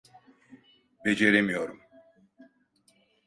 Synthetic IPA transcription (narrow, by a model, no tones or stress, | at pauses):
bed͡ʒeɾemijo̞ɾum